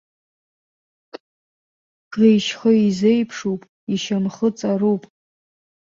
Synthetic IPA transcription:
ɡ̥ejʃχəizejpʰʂupʼ | iʃamχət͡sʼarupʼ

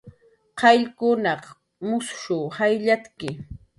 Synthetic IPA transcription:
qɑʎkʊnɑχ | mʊsʃʊːhajʎat͡skɪ

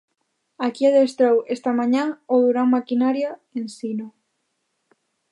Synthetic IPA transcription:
akiaðest̪ɾowest̪amaɲãoðuɾaŋmakinaɾjaensino

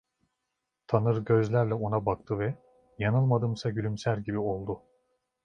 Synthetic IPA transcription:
t̪ʰanɯɾɟø̞zlʲæɾlʲɛo̞nabakt̪ʰɯvɛ | janɯlˠmad̪ɯmsaɟylʲymsælʲɟibio̞lˠd̪ʊ

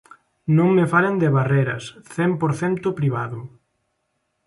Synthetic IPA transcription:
nõŋmefalend̪eβareɾɐ̰sθɛmpoɾθɛnt̪ʊpɾiβ̞aðʊ

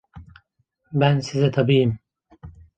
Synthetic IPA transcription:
bænsizɛt̪ʰabiːjim

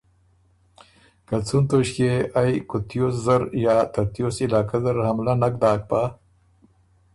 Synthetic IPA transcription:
kat͡sunt̪oɕkeajkʊt̪joszɐɾjɑːt̪aɾt̪josɪlɑːkazaɾhamlanak̚d̪ɑːk̚pa

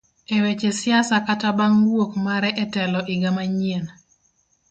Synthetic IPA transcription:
ewet͡ʃesjasakatabaŋwokmaɾɛʔɛtɛlɔʔiɡamaɲien

